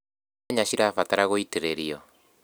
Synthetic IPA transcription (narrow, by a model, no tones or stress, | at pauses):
ɲaɕiɾafat̪aɾaɣoiteɾeɾio